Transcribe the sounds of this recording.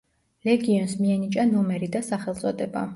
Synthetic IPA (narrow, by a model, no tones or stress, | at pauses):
lɛɡiɔnsmiɛnit͡ʃʼanɔmɛɾid̪asaχɛlˠt̪sʼɔd̪ɛba̰